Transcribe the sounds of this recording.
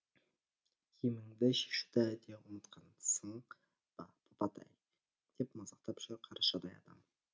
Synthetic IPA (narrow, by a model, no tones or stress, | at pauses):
kʰimɪŋd̪ɪʃe̥ʃu̥t̪æd̪ewʊnət̪qʰɑnsəɴ | bʰopɑt̪ʰɑ̰j | d̪̥e̞pmɑzɑqt̪ɑpʒ̥ɪɾqʰɑɾʔɑʃɑd̪ɑjɑ̰d̪ɑ̰m